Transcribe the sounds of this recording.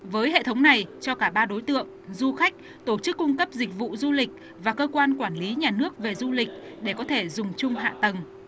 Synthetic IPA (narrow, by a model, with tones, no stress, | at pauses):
vəː˨˦jɦḛ˧˨t̪ʰə˨˦wŋ͡mna˨˩jt͡ɕɔ˧kaː˧˩ɓaː˧ɗo˨˦jt̪ɨ̰˧˨əŋzu˧xa˦˥k̟̚ | t̪o˧˩t͡ɕɨ˦˥kːʊ˧ŋ͡mkə˦˥p̚zï˨˩k̟̚vṵ˧˨zu˧lï˨˩k̟̚ | vaː˨˩kəː˧kwaː˧nkwaː˧˩nli˨˦ɲaː˨˩nɨ˦˥ək̚ve˨˩zu˧lï˨˩k̟̚ | ɗe˧˩kɔ˨˦t̪ʰe˧˩zʊ˨˩ŋ͡mt͡ɕʊ˧ŋ͡mɦa̰ː˧˨t̪ə˨˩ŋ